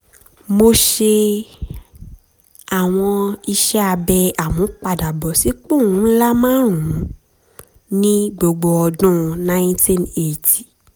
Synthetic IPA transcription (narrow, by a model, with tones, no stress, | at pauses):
mo˧ʃe˧ | a˨w̃ɔ̃˧i˧ʃɛ˦a˧bɛ˧a˨mɔ̃˨˦k͡pa˨da˨bɔ˨si˨˦k͡pũ˦˨ũ˦n̩˦la˦mãː˦ɾ̃ũ˨˦ | nĩ˦ɡ͡bo˧ɡ͡bo˧ɔ˧dũ˦˧nã˦jĩ˦tĩ˦ne˦˨ti˨